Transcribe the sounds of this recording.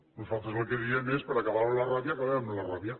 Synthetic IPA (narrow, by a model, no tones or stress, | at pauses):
nosalt̪alokeðiemespaɾakaβaɾolaraβjakaβaamolaraβja